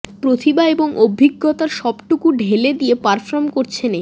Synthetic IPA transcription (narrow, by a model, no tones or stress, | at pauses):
pɾot̪ʰibaeboŋʔobʱiɡːot̪aɾʃɔbʈukuɖʱeled̪ijepaɾfɾoɾmkoɾt͡ɕʰene